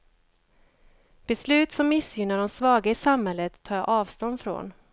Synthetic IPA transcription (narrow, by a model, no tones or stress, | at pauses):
b̥ɛslʉ̟ːt̪sɔmːɪsjʏnaɖɔmsvɑːɡaɪsamhɛlːət̪ʰːɑːj̰ʔɑːvst̪ɔnd̪fɾo̰ːn